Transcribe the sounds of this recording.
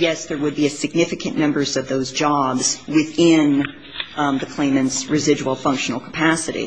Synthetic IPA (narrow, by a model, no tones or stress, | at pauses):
jɛsðə˞wəd̚biɨsɨɡ̚nɪfɨkʰɨ̃nmɛ̃mbə˞zʌvðoʊzd͡ʒɑbz̥wɪθɪ̃n | ðɨkʰl̥ẽɪ̃mɨ̃ntsɹɨzɪd͡ʒul̩ˠfʌ̃ŋkʃn̩l̩ˠkʰə̥pʰæsɨɾḭ